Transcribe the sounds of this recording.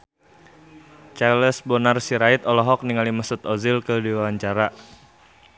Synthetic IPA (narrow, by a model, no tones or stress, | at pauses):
t͡ʃaləsbɔnarsiɾait̪ɔlɔɦɔk̚niŋalimasut̪ɔzilkədiwawaɲt͡ʃaɾa